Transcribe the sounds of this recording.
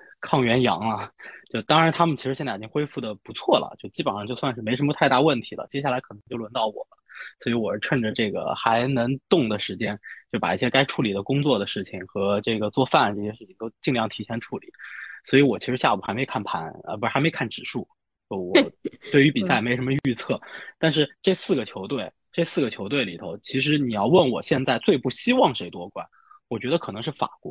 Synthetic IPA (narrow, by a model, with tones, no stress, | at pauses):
kʰɑ˥˩ŋɥɛ˧˥njɑ̰˧˥ŋlɐ˧t͡ɕjo˥˩ʊt̪ɑ˥ŋɻa˧˥nt̪ʰa˥mə˨nt͡ɕʰi˧˥ʂɻ̩˧˥jɛ˥˧nt͡sa˥˩˨t͡ɕi˥ŋxwe˥ɪfu˥˩d̪ə˩pu˧˥t͡sʰwɔ˥˩lə̰˩t͡ɕjo˥˧ʊt͡ɕi˥ə˨˩nʂɑ˥˩˧t͡ɕjo˥˧ʊswa˥˧nʂɻ̩˥˩me˧˥ə˧˥mə˧t̪ʰa˥˧ɪt̪a˥˩˧wə˥˩nt̪ʰi˧˥lə̰˧t͡ɕjɛ˥ɕja˥˩la˧˥ɪkʰɤ˨˩nɤ˧˥ŋt͡ɕo˥˧ʊwə˧˥nt̪ɑ˥˩ʊwɔ̰˨˩lə˦swɔ˧˥i˧˥wɔ˨˩˧ʈ͡ʂʰə˥˧˩nʈ͡ʂə˩ʈ͡ʂɤ˥˩ɡə̰˩xa˧˥ɪnɤ˧˥ŋt̪ʊ˥˩ŋd̪ə˩ʂɻ̩˧˥t͡ɕjɛ˥nt͡ɕjo˥˩ʊpa̰˨˩i˥˩ɕjɛ˥ka˥ɪʈ͡ʂʰu˥˩li˨˩d̪ə˦kʊ˥ŋt͡swɔ˥˩d̪ə˩ʂɻ̩˥˩t͡ɕʰi˩ŋxɤ˧˥ʈ͡ʂɤ˥˩ɡə˩t͡swɔ˥˧fa˥˧˩nʈ͡ʂɤ˥˩ɕjɛ˥ʂɻ̩˥˩t͡ɕʰi˨˩ŋt̪o˥ʊt͡ɕi˥˧ŋljɑ˥˩ŋt̪ʰi˧˥ɕʰjɛ˥nʈ͡ʂʰu˥˩lḭ˨˩˦swɔ˧˥i˧˥wɔ˨˩t͡ɕʰi˧˥ʂɻ̩˧˥ɕja̰˥˩u˨˩a˧˥ɪme˧˥ɪkʰa˥˩npʰa˧˥nə̰˧˩pu˧˥˩xme˥ɪkʰa˥˩nʈ͡ʂɻ̩˨˩ʂu˥˩ | te˥˩˧wɔ˩t̪we˥˩ɪy˧˥pi˨˩sa˥˩ɪme˧˥ɪ˥˩ʂmə˧y˥˧t͡sʰɤ˥˩t̪a˥˧nʂ̬ɻ̩˥˧ʈ͡ʂe˥˧ɪsɹ̩˥˩ɡə˩t͡ɕʰjo˧˥ʊt̪we˥˩ɪ | ʈ͡ʂe˥˧ɪsɹ̩˥˩ɡə˩t͡ɕʰjo˧˥ʊt̪̬we˥˩ɪli˨˩t̪ʰo˧˥ʊt͡ɕʰi˧˥ʂ̬ɻ̩˧˥ni˨˩jɑ˥˧ʊwə˥˩nwɔ̰˨˩ɕjɛ˥˧nt͡sa˥˧ɪt͡swe˥˧ɪpu˥˩ɕi˥wɑ˥˩ŋʂe˧˥ɪt̪wɔ˥kwa˥˩˦n | wɔ˨˩t͡ɕɥɛ˧˥d̪ə˧kʰɤ˨˩nɤ˧˥ŋʂɻ̩˥˩fa̰˨˩kwɔ˧˥